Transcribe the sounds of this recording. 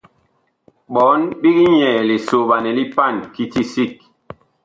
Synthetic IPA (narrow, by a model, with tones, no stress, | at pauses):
ɓɔ˨˦nɓi˦ɡi˦ɲɛ˨li˨so˨ɓa˨nɛ˨li˦pa˦˨nki˦ti˦si˦˨k̚